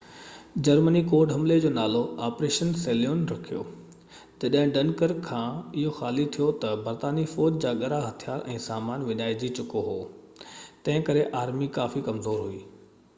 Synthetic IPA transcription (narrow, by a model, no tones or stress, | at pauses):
d͡ʑɐɾmənikoːɖɦɐmled͡ʑoːnaːloaːpɾeːʃənseːljoːnɾɐkʰijo̰ː | d͡ʑɐɗɦɪ̃ɖɐnkəɾkʰãːɪɦoxaːlit̪ʰijot̪ɐbɐɾt̪aːnifoːd͡ʑd͡ʑaːɠɐɾaɦɐt̪ʰijaːɾɛ̃ːsaːmaːnʋɪɲaːɪd͡ʑit͡ɕʊkoɦoː | t̪ɐ̃ɦɪ̃kɐɾeʔaːɾmikaːfikɐmzoːɾɦuiː